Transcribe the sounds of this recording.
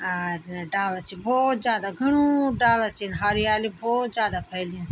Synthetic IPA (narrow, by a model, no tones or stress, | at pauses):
aɖaːlat͡ʃʰiboːt̪zjaːd̪aɡʱɐɳ̃uːɖaːlat͡ʃʰinɦaːɾiaːliboːt̪zjaːd̪aːpʰəɪlijũː